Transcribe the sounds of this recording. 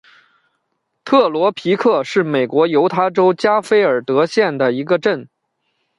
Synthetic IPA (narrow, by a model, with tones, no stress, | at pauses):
t̪ʰɤ˥˩lwɔ˧˥pʰi˧˥kʰɤ˥˧ʂɻ̩˥˩me˨˩ɪkwɔ˧˥jo˧˥ʊt̪ʰa˥ʈ͡ʂo˥ʊt͡ɕja˥fe˥ɪə˞˨˩t̪ɤ˧˥ɕjɛ˥˩nd̪ə˩i˧˥ɡə˧ʈ͡ʂə˥˩n